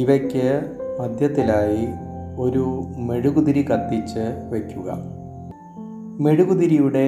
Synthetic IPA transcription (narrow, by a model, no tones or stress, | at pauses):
iʋɐkʲːɨmɐd̪ʱjɐt̪ːilaːji | o̞ɾume̞ɻuɣuðiɾikɐt̪ːit͡ɕːɨʋe̞kʲːuɣɐ̰ | me̞ɻuɣuðiɾijuɽe̞